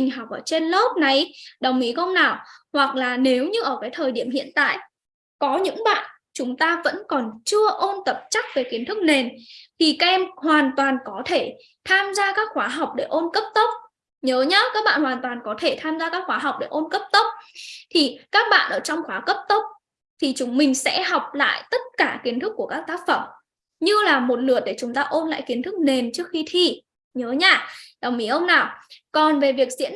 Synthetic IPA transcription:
i˨˩ŋ̟ɦɔ˨˩wk͡p̚ʔəː˧˩t͡ɕe˧nlo˦˥p̚na˨˩jɗə˨˩wŋ͡mʔi˨˦kə˧wŋ͡mnaː˨˩whwa˨˩k̚laː˨˩ne˨˦wɲɨ˧ʔəː˧˩kaː˨˦jt̪ʰəː˨˩jɗi˧˩əmhḭ˧˨ənt̪a̰ː˧˨j | kɔ˨˦ɲɨ̰˧˥ŋɓa̰ː˧˨n | t͡ɕʊ˨˦ŋ͡mt̪aː˧və̰˧˥nkɔ˨˩nt͡ɕɨ˧əʔo˧nt̪ə˨˩p̚t͡ɕa˦˥k̚ve˨˩xi˨˦ənt̪ɨ˦˥k̚ne˨˩nt̪ʰi˨˩ka˦˧˥ʔɛ˧mhwaː˨˩nt̪waː˨˩nkɔ˨˦t̪ʰe˧˩ | t̪ʰaː˧mzaː˧kaː˦˥k̚xwaː˨˦ɦa˨˩wk͡p̚ɗe˧˩ʔo˧nkə˦˥p̚t̪ə˦˥wk͡p̚ | ɲəː˨˦ɲaː˨˧˦kaː˦˥k̚ɓa̰ː˧˨nhwaː˨˩nt̪waː˨˩nkɔ˨˦t̪ʰe˧˩t̪ʰaː˧mzaː˧kaː˦˥k̚xwaː˨˦ɦa˨˩wk͡p̚ɗe˧˩ʔo˧nkə˦˥p̚t̪ə˦˥k͡p̚t̪ʰi˨˩kaː˦˥k̚ɓa̰ː˧˨nʔəː˧˩t͡ɕɔ˧wŋ͡mxwaː˨˦kə˦˥p̚t̪ə˦˥wk͡p̚ | t̪ʰi˨˩t͡ɕʊ˨˦ŋ͡mmï˨˩ŋ̟sɛ̰˧˥ɦɔ˨˩wk͡p̚la̰ː˧˨jt̪ə˦˥t̚kaː˧˩ki˨˦ənt̪ʰɨ˦˥k̚ːu˧˩əkaː˦˥k̚t̪aː˦˥k̚fə˧˩m | ɲɨ˧laː˨˩mo˨˩t̚lɨ˨˩ət̚ɗe˧˩t͡ɕʊ˨˦ŋ͡mt̪aː˧ʔo˧nla̰ː˧˨jki˨˦ənt̪ʰɨ˦˥k̚ne˨˩nt͡ɕɨ˦˥ək̚xi˧t̪ʰi˨˧˩ | ɲəː˨˦ɲaː˧˩ɗa˨˩wŋ͡mʔi˨˦ʔə˧wŋ͡mnaː˨˩wkɔ˨˩nve˨˩vi˨˩ək̚zḭ˧˥ən

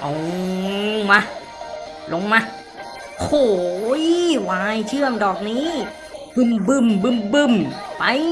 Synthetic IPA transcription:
ʔɔ˨˩˦ | ma˧˩ | lo˧ŋma˧˥˩ | kʰoː˨˩jwaː˧jt͡ɕʰɯ˥˩əŋdɔː˨˩k̚niː˦˥ | bɯ˨˧˩mbɯ˧˩mbɯ˧˩mbɯ˧˩mpa˧j

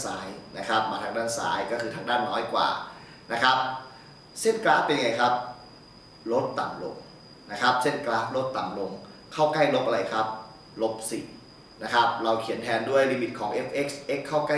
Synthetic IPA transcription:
saː˩˦jna˦˥kʰa˦˥p̚maː˧t̪ʰaː˧ŋdaː˥˩nsa̰ː˩˦jkɔː˥˩kʰɯː˧tʰaː˧ŋdaː˥˩nːɔː˦˥jkwa̰ː˨˩ | na˦˥kʰɾa˦˥p̚ | se˥˩nklaː˦˥pe˧nja˧ŋa˧jkʰa˦˥p̚ | ɾo˦˥t̪ːa˨˩mlo̰˧ŋ | na˦˥kʰɾa˦˥p̚se˥˩nklaː˦˥p̚ɾo˦˥t̪ːa˨˩mlo˧ŋ | kʰa˥˩wka˥˩jlo˦˥p̚ʔa˧ɾa˧jkʰɾa˦˥p̚ | lo˦˥p̚sḭ˨˩ | na˦˥kʰa˦˥p̚ɾa˧wkʰi˨˩˦ənt̪ʰɛː˧ndu˥˩əjliː˧mi˨˩t̪̚kʰɔː˩˦ŋʔe˦˥p̚ʔe˦˥k̚sʔe˦˥kʰːaː˥˩wka˥˩

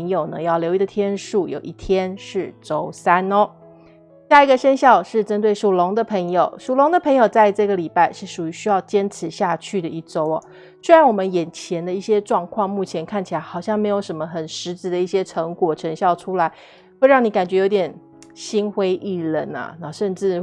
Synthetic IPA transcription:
ŋjo˨˩ʊnə̰˦jɑ˥˩ʊljo˧˥i˥˩d̪ə˨t̪ʰjɛ˥nʂu˥˩jo̰˨˩ʊʔi˥˩t̪ʰjɛ˥nʂɻ̩˥˩ʈ͡ʂo˥ʊsa˥nɔ˦ | ɕja˥˩i˧˥ɡə˧ʂə˥nɕjɑ˥˧ʊʂɻ̩˥˩ʈ͡ʂə˥nt̪we˥˩ɪʂu˨˩lʊ˧˥ŋd̪ə˨pʰə˧˥ŋjo˨˩ʊʂu˨˩lʊ˧˥ŋd̪ə˨pʰɤ˧˥ŋjo˨˩ʊt͡sa˥˧ɪʈ͡ʂɤ˥˩ɡə˩li˨˩pa˥˧ɪʂɻ̩˥˩ʂu˨˩y˧˥˦ɕy˥jɑ˥˩ʊt͡ɕjɛ˥nt͡sʰɹɻ̩˨˧˩ɕja˥˧t͡ɕʰy˥˩d̪ə˩i˥˩ʈ͡ʂo˥ʊɔ̰˧˦ | swe˥ɪɻa˧˦nwɔ˨˩mə˦njɛ˨˩nt͡ɕʰjɛ˧˥nd̪ə˧i˥˩ɕjɛ˥ʈ͡ʂwɑ˥˧ŋkʰwɑ˥˧ŋmu˥˩t͡ɕʰjɛ˧˥nkʰa˥˩nt͡ɕʰi˨˩a˧˥ɪxɑ˨˩ʊɕjɑ˥˩ŋme˧˥ɪjo˧˥ʊʂə˧˥mə˧xə˨˩nʂɻ̩˧˥t͡sɻ̩˧˥d̪ə˧i˥˩ɕjɛ˥ʈ͡ʂʰɤ˧˥ŋkwɔ˨˩ʈ͡ʂʰɤ˧˥ŋɕjɑ˥˩ʊʈ͡ʂʰu˥la˧˦ɪ | xwe˥˧ɪɻɑ˥˩ŋni˧˥ka˨˩nt͡ɕɥɛ˧˥jo˧˥ʊt̪ʲjɛ˨˩n | ɕi˥nxwe˥ɪʔi˥˩lə̰˧˥nɐ̰˨˩na˧˩ʂə˥˧nʈ͡ʂɻ̩˥˩

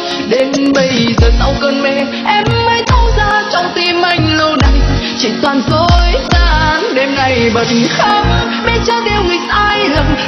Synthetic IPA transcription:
ɗe˨˧mɓə˧˩jzə˨˩t̚ʔə˧wkəː˧˩nmɛ˧˩ | ʔɛ˧mːəː˨˦jt̪ʰə˧wzaː˧˩t͡ɕɔ˧wŋ͡mt̪i˧mːa˧˩jŋ̟lə˧na˨˩j | t͡ɕḭ˧˨t̪waː˨˩nzo˧jzaː˧nɗe˧mŋa˨˩jɓə˨˩t̚nxaː˧˦m | ɓe˧˦t͡ɕə˧˦ɗ̪e˧˩wŋi˨˩tʔaː˧jlə˨˩ŋ͡m

